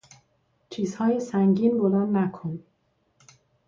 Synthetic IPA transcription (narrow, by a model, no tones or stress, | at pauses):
t͡ʃʰiːzhɒːjesæŋɟiːnbolæːnːækʰon